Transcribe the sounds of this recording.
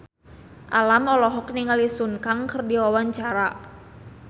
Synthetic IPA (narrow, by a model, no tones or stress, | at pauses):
ʔalamɔlɔɦɔk̚niŋalisunkaŋkərdiwawaɲt͡ʃaɾa